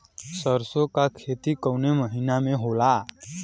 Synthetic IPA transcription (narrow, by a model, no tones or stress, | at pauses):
səɾsokakʰet̪ikəwneməɦinameɦola